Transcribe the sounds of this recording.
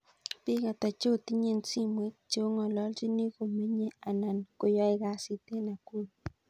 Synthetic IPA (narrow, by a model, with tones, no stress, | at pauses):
pɪ˦ka˨ta˨t͡ʃo˦˨ti˦ɲe˦nsi˦mwe˨˦kt͡ʃo˦ŋɔ˨lɔ˦ld͡ʒi˦ni˦ko˨me˦ɲe˦a˨na˨nko˨jɔ˦ɪ˨ka˦si˦te˦na˨ko˦l